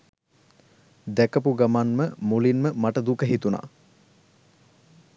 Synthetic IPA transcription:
d̪ækəpuɡamanməmulinməmaʈəd̪ukəɦit̪una̰ː

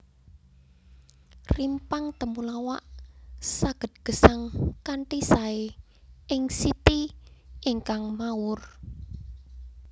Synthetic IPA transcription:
rimpaŋt̪əmulawaʔsaɡ̥ə̤t̪̚ɡ̥ə̤saŋkaɳʈisae | ɪŋsit̪iiŋkaŋmaʊr

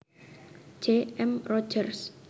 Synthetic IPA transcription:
d͡ʒ̥eɛmrɔ̥d͡ʒərs

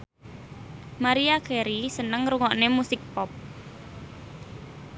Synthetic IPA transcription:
maɾiakʰɛɾisənəŋɾuŋɔʔnemusɪk̚pɔp̚

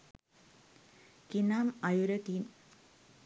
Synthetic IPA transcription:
kinaːmɐjuɾɐkin

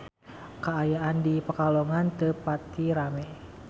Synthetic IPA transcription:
kaajaʔandipəkalɔŋant̪əpat̪ːiɾamɛ

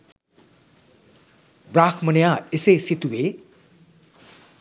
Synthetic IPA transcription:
bɾakʰmʌnejaesesit̪ue

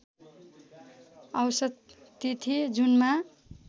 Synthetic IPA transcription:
ʌwsʌt̪ːit̪ʰid͡zunma

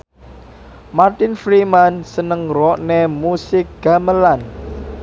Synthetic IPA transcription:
mart̪ɪnfɾimansənəŋrɔʔnemusɪk̚ɡ̥a̤məlan

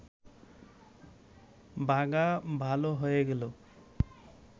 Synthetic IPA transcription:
baɡabʱaloɦojeɡelo

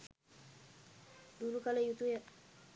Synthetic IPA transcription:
duɾukalejut̪uja

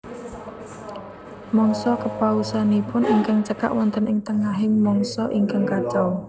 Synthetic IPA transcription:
mɔŋsɔkəpausanipʊniŋkaŋt͡ʃəka̰ʔwɔnt̪ənɪŋt̪əŋaɦɪmɔŋsɔʔiŋkaŋkat͡ʃaw

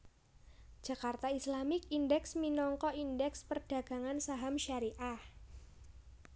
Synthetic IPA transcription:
d͡ʒ̥a̤kart̪aislamɪkindɛksminɔŋkɔindɛkspərd̥a̤ɡ̥a̤ŋansaɦamʃaɾiʔah

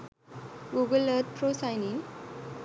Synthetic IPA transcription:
ɡuɡələt̪̚pɾosajniŋ

